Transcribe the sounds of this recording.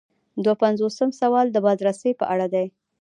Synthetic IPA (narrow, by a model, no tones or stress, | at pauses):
d̪wapanzosəmsawɑld̪əbɑd̪ɾasəjpə̰ʔaɽad̪aj